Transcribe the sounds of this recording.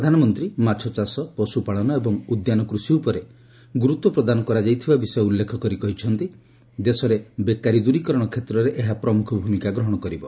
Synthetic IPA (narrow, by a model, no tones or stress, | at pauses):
pɾɔd̪ʱanɔmɔnt̪ɾimat͡ʃʰɔt͡ʃasɔpɔsupaɭɔnɔebɔŋud̪janɔkɾusiupɔɾe | ɡuɾut̪wɔpɾɔd̪anɔkɔɾad͡ʒajt̪ʰibabisɔjɔulːekʰɔkɔɾikɔɦit͡ʃʰɔnt̪i | d̪esɔɾebekaɾid̪uɾikɔɾɔɽ̃ɔkʰet̪ɾɔɾeʔeɦapɾɔmukʰɔbʱumikaɡɾɔɦɔɽ̃ɔkɔɾibɔ